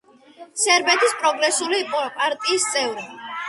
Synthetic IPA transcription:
sɛɾbɛt̪ʰispʼɾɔɡɾɛsuliːpʼɔpʼaɾt̪ʼiːst̪sʼɛvɾɛi

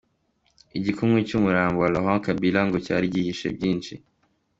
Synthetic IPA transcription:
iɟikʰumŋecumuɾaːmbowaloɦãkabilaŋɡoca̰ːɾiɟihiʃḛbɟiːnʃi

